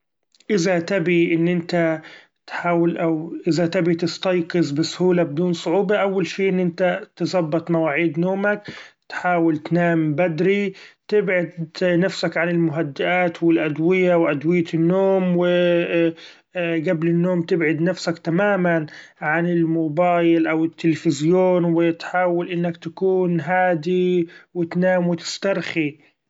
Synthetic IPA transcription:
ʔɪzat̪abiʔɪnːʔɪnt̪a | t̪ħaːwalʔawʔɪzat̪abit̪ɪst̪ɑjqɨzˤbɪsˤhuːlabɪd̪uːnsˤʊʕuːbaʔawːalʃiːʔɪnːʔɪnt̪at̪ɨsˤɑbːɑt̪ˤmawaːʕiːd̪noːmakt̪ħaːwɪlt̪naːmbad̪ɾit̪ɪbʕad̪nafsakʕanɪlmʊɦad̪ːɪʔaːt̪wɪlʔad̪wɪjawʔad̪wɪjːanːoːmwɪ | ɡablɪnːoːmt̪ɪbʕɪd̪nafsakt̪amaːmanʕanɪlmʊbaːjɪlʔawɪt̪ːɪlfɪzjoːnwɪt̪ħaːwalʔɪnːakt̪akuːnɦaːd̪iwɪt̪naːmwɪt̪ɪ̥st̪ɑɾˤxi

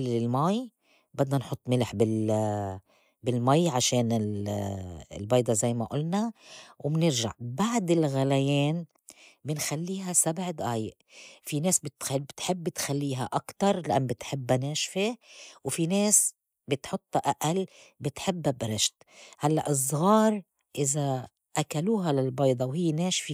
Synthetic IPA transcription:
lɪlmaj | bɪd̪nanħʊt̪ˤːmɪlħbɪl | bɪlmajːʕaʃeːnɪl | ɪ̰lbɑːjd̪ˤɑzajːmaʔʊlnawɪbnɪɾʒa̰ʕbaʕd̪ɪlɣalajeːn | bɪnxalːiːɦasabʕd̪ʔaːjɪʔfineːsbɪt̪bt̪ħɪbːɪt̪xalːiːɦaʔakt̪ɑɾˤlaʔanːbɪt̪ħɪbːaneːʃfiwfineːs | bɪt̪ħʊt̪ˤːɑʔaʔalbɪt̪ħɪbːabɾɪʃt̪ | halːa̰ʔɨzˤɣɑːɾˤ | ʔɪza | ʔakaluːɦalalbɑjd̪ˤɑwɦɪjːneːʃfi

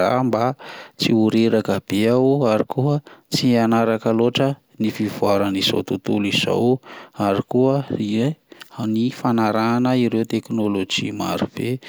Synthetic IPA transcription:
a̰mbat͡siuɾeɾakəb̥eawaɾikuət͡sianaɾakəloʈ͡ʂə | nifivuaɾəniz̥o̰t̪ut̪uliz̥o̰waɾikuəienifanaɾanəiɾewt̪eknolod͡ʒima̰ɾub̥e

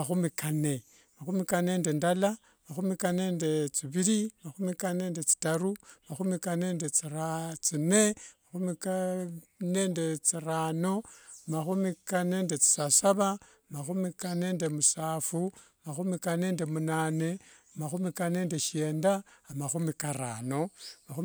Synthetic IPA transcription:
axumikane̞ | maxumikane̞ndendala | maxumikane̞ndet͡siβiɾimaxumikane̞ndet͡si̥taɾumaxumikane̞ndet͡siɾat͡sinemaxumika | nendet͡siraːno̞maxumikane̞ːnde̞t͡si̥sasaβa | maxumikane̞ːnde̞musaːfu | maxumikane̞ːnde̞munaːne̞amaxumikane̞ːnde̞ʃe̞ːndaːmaxumikaɾa̰no̞maxu

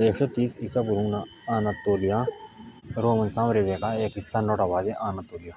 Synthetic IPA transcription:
eːkʂet̪iːsisapuɾuŋna | aːnat̪ːoːlija | ɾoːmɐnsãːmɾezekaeːkisanoːʈabaːzeʔaːnat̪ːoːlija

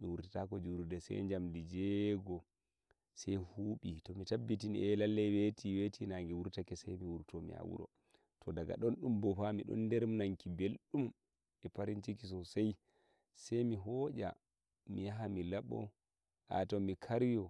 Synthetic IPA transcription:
miwuɾtitakɔd͡ʒuɾudɛsɛ̰jɲd͡ʒamdid͡ʒɛɡɔ | sɛjhuːɓitɔmitabːitiniʔɛlalːɛwetiwetinaŋɡɛwuɾtakɛsɛjmiwuɾtɔmḭa̰wṵɾɔ̰ | tʰɔdaɡa̰ɗɔnɗumbɔfamiɗɔ̰ndɛɾmnaŋkibelɗum | ɛpaɾint͡ʃikisɔsaj | sɛjmiɦɔd͡ʒa̰ | mijaɦamilaɓɔ̰ | ʔa̰tɔmikʰaɾjɔ

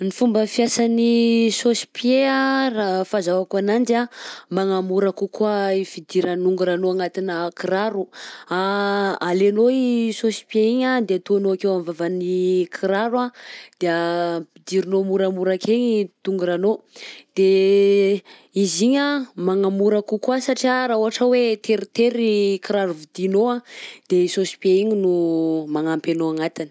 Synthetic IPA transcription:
nifumbəfiasanisosi̥piearafazawakanand͡ʒamaŋamuɾakukuaifid̪iɾanuŋɡuɾanoaŋat̪inəkiɾaɾuaalenoisosi̥pieiɲad̪eat̪uanoakewamvavanikʰiɾaɾwad̪̥eaid̪iɾinomuɾamuɾakʰeɲit̪uŋɡuɾanod̪̥e | iziɲamaŋamuɾakukasaʈ͡ʂiaɾauɦaʈ͡ʂəwet̪ʰeɾit̪eɾikiɾaɾuvid̪inoad̪̥eisosi̥pieiɲinumaŋampenoaŋat̪in

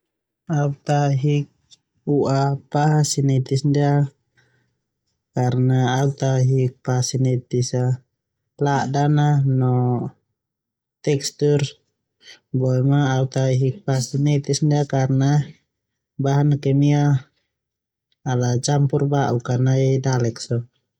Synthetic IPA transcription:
aut̪aɦik̚ | uʔapasinɛt̪isndia | karnaːut̪aɦik̚pasinɛt̪isa | ladananɔ | t̪ɛkst̪ur | bɔɛmaːut̪aɦik̚pasinɛt̪isndiakarna | baɦanakɛmia | alat͡ʃampurbaʔukarnaidalɛksɔ

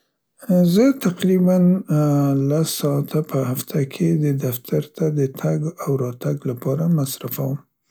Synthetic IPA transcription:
zət̪aqɾiban | lasːɑat̪ʰapʰəhaft̪ʰakʰed̪əd̪aft̪ʰaɾt̪ad̪ət̪ʰaɡawɾɑt̪aɡlapɑɾamasɾafawəm

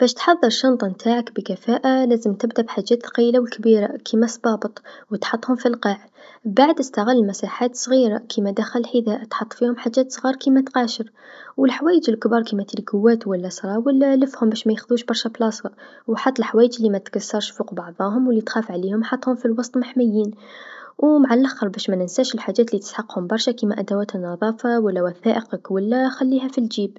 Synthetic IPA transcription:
b̥æʃt̪ħɑðˤːɑɾˤʃɑnt̪ˤnt̪ʰaːʕakbəkæfæːʔalæːzəmt̪ɪbd̪aʔbħaʒːæːt̪qilawəlkbiɾakʰimæsˤbɑːbət̪ˤwət̪ħɑt̪ˤːhʊmfilqɑːʕ | baʕd̪əst̪aɣɪlːlmæsaħaːt̪sˤɣiːɾakʰimæd̪axællħid̪æːʔat̪ħɑt̪ˤːfihʊmħaʒːæːt̪sˤɣiːɾˤkimæt̪qɑʃəɾ | wəlħawæːjəd͡ʒəlkbɑːɾˤkimæt̪ilɡʊwːæːt̪wælːæsˤɾˤɑːwəlːæləfhʊmbæːʃmæjəxðuːʃbɑɾˤʃæblɑsˤɑ | wħɑt̪ˤːəlħawæːjəd͡ʒlːimæt̪kasːɑɾˤʃfuːqbɑʕðˤɑːɦʊmwəlːit̪xæːfʕaliːhʊmħɑt̪ˤːhʊmfilwɑsˤt̪ˤmaħmajːiːn | wmaʕalʔaxːəɾˤbæʃmænɪnsæːʃɪlħad͡ʒːæːt̪lit̪ə̥sħɑqhʊmbɑɾˤʃækimæʔæd̪awæːt̪nːɑðˤɑːfɑwælːæwaθæːʔəqəkwælːæxælːiːɦæfild͡ʒiːb

